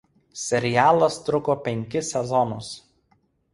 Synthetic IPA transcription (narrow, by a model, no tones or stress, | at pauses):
sʲɛɾʲɪjæːlˠɐst̪ɾʊkoːpʲɛŋʲkʲɪsʲɛzɔnʊs